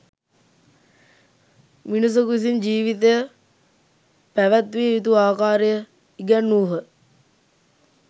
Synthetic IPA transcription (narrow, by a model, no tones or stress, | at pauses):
minus̬okuis̬ind͡ʒiːʋit̪əjə | pæʋæt̪ʋiːit̪̬uaːkaːɾejə | iɡænːuːɦə